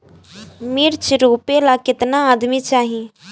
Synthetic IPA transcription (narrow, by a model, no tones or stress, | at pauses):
miɾt͡ʃɾoːpelakɪt̪naːd̪mit͡ʃaːɦi